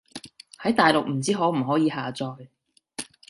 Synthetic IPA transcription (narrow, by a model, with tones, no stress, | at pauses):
hɐ˨˥jt̪aː˨jlʊ˨k̚m̩˨˩t͡siː˥ɦɔː˨˥m̩˨˩ɦɔː˨˥jiː˨˧haː˨t͡sɔː˧j